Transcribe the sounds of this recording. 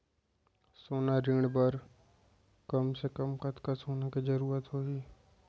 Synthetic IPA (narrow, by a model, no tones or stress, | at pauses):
soːnaɾɪːɽ̃bəɾ | kəmsekəmkət̪kasoːnakid͡ʒəɾuːɾət̪ɦoːɡiː